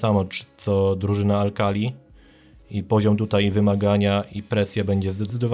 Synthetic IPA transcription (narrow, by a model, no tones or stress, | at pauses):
samɔt͡ʂt̪sɔd̪ɾuʐɘnaːlkalʲi | ipɔʑɔmt̪ut̪ajvɘmaɡaɲaipɾɛsʲjɛbɛɲd͡ʑɛzd̪ɛt̪sɘd̪ɔv